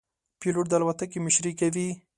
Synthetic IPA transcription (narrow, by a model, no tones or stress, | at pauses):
piluʈd̪alwat̪akimɪʃɾikawi